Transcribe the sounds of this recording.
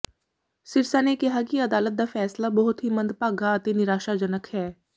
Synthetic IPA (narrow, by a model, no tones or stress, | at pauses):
sɪɾsaːnekeɦakiɐd̪aːlət̪̚d̪afɛːslabɐɦʊt̪ɦimɐ̃nd̪paːɡaət̪enɪɾaːʃad͡ʒənəkhɛː